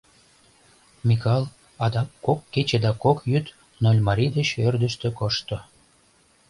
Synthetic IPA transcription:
mʲikɑlˠ | ɑd̪ɑkːokːet͡ɕed̪ɑkokjyt̪ | nolʲmɑɾʲid̪ət͡ɕørd̪ə̆ʃt̪ø̆koʃt̪o

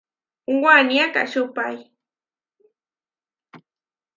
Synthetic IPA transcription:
ŋɡʷanjaka̰ʃʊpaj

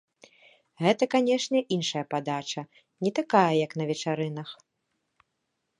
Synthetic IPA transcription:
ɣɛt̪ɐkanʲɛʂnʲɛʔinʂɐjɐpad̪at͡ʂɐ | nʲɛt̪akajɐjɐknɐvʲɛt͡ʂaɾɨn̪ɐx

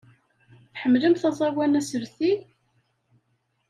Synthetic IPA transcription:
θħəmːləmθɑzˤɑwænæsəɾθi

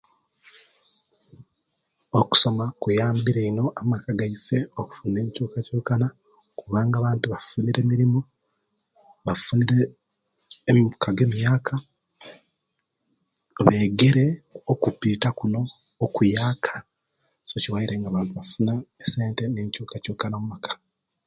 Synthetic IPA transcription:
oku̥so̞makujaːmbiɾeino̞amakaɡaife̞oku̥funeːɲicuːkacoːkana | kuβaːŋɡaːβaːntuβafuniɾe̞ːmiɾimo | βafuniɾeː | mkaɡe̞ːmijaːkʰa | βe̞ːɡe̞ɾe̞okupitakuno̞ː | kujaːkʰḁ | so̞ciwaiɾe̞ŋɡaβaːntuβafunaeseːnte̞neɲcuːkacuːkanamumakʰḁ

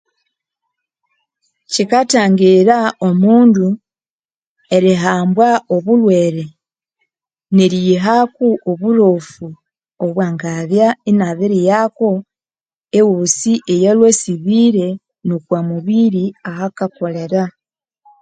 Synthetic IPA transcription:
cikataːŋɡiɾaomuːndu | e̞ɾiɦaːmbwaoβulwe̞ːɾe | neɾiɦakuʔoβuɾofu | oβwaːŋɡaβjainaβiɾijako̞ | ewusiʔejelwe̞ːsiβiːɾe̞ | nukwamuβiɾiaɦakako̞le̞ɾa

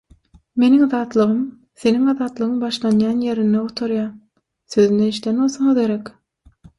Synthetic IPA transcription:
me̞niŋðɑːt̪lˠɯʁɯm | θe̞niŋɑðɑːt̪lˠɯʁɯŋbɑʃlˠɑnjɑːnje̞ɾind̪eut̪ʰoɾjɑː | θøðynd̪eiʃlenolˠsoŋɯðɡeɾek

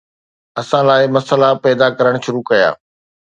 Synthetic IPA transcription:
ɐsãlaːɪmɐsəlapɛːd̪akɐɾəɽ̃ʃʊɾukɐja̰ː

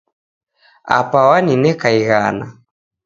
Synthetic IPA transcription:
a̰pawaninɛkaiɣana̰

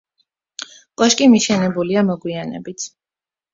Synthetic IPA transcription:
kʼɔʃkʼimiʃɛnɛbuliamɔɡwianɛ̰bit̪ʰ

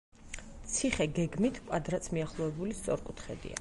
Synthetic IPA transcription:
t̪sʰiχɛɡɛɡmit̪ʰkʼad̪ɾat̪sʰmiaχlˠɔvɛbulist̪sʼɔɾkʼut̪ʰχɛ̰d̪ḭa̰

